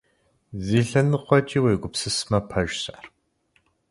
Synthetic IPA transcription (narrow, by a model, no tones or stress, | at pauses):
ziːɬɐnɨqʷɔt͡ʃʼiːweːɡʷʊpsɨsmɐpʰɐʒsaːr